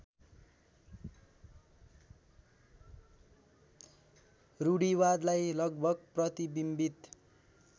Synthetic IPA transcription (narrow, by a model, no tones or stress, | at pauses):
ruɽiwad̪lajlʌɡbʱʌɡprʌt̪ibimbit̪